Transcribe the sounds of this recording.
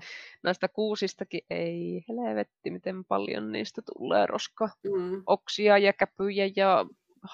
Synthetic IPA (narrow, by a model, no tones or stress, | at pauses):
næist̪ækuːsist̪ɑkiʔʔeiheleʋet̪ːimit̪empɑ̰ljo̰nnḭːst̪æt̪ṵlːḛːrʔo̰skɑʔoksiɑjɑkæpyjæjɑ | h